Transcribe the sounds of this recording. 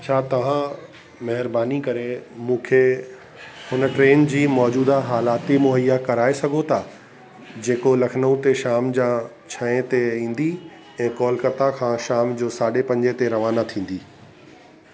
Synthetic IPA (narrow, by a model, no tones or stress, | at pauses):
t͡ɕʰaːt̪ɐʋ̤ã | mɐɦɪɾbaːnikɐɾemũːkʰe | hʊnə̆ʈɾeːnd͡ʑiːmɔːd͡ʑuːd̪aɦaːlaːt̪imʊɦəjːakɐɾaːesɐɡʱot̪ʰaː | d͡ʑeːkolɐkʰnəũt̪eʃaːmd͡ʑãː | t͡ɕʰɐ̃ẽt̪eĩːn̆d̪i | ɛ̃ːkɔːlkɐt̪akʰãːʃaːmd͡ʑoːsaːɗepɐ̃ɲd͡ʑet̪eɾɐʋaːnat̪ʰĩːn̆d̪iː